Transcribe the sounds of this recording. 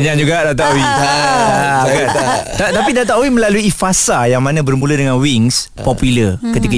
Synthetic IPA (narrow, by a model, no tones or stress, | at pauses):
ɲand͡ʒuɡaʔdat̪̬aʔowijakant̪at̪apidat̪aʔowimə̃laluifasajaŋmãnãbərmũlədəŋãnwiŋs | pɔpjulərkət̪ika